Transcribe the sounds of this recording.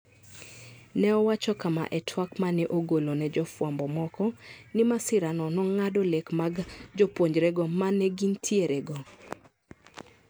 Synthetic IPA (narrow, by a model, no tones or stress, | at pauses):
nɛɔwat͡ʃɔkama̰ʔɛtʰwakmanɛʔoɡolonɛd͡ʒɔfwambɔmɔkɔnɪmasɪɾanɔnɔŋadɔlekmaɡd͡ʒɔpwoɲd͡ʒɾɛɡɔmanɛɡintʰjeɾɛɡɔ